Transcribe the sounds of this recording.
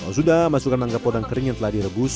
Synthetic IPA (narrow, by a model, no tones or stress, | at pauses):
asudamasukanlaŋɡapɔdaŋkəɾɪŋjaŋt̪əlahdiɾəbus